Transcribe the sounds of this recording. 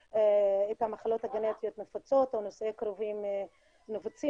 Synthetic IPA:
eethamaχalo̞thaɡenet̪ijot̪mefat͡so̞t̪onosekɾovim | novut͡si

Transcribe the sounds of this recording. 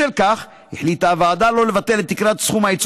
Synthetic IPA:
elkaχ | hiħlit̪avaːd̪alo̞le̞vat̪e̞let̪ːikʁat̪sχumhait͡s

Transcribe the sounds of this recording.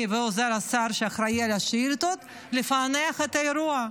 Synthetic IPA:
veozeɾasaɾʃeaχɾaialaʃilt̪ot̪ | lefaneaχet̪aeɾua

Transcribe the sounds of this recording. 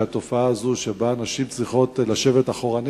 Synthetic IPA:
at̪o̞faaːzuʃebaːnaʃimt͡sʁiχo̞tlaʃe̞ve̞taχo̞ʁan

